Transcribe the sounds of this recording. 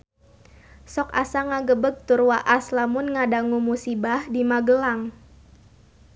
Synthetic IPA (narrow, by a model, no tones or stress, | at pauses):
sɔkasaŋaɡəbəɡ̚t̪urwaʔaslamʊnŋadaŋumusibahdimaɡəlaŋ